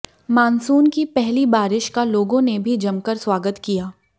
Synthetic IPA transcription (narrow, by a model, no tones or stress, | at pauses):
maːnsuːnkipɛɦlibaːɾɪʃkaloːɡõnebʱid͡ʒɐmkəɾswaːɡət̪kijaː